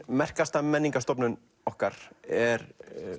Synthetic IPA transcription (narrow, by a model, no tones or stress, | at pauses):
mɛr̥kast̪amɛnːiŋkast̪ɔpnʏn | ɔhkaɾ̥ɛɾ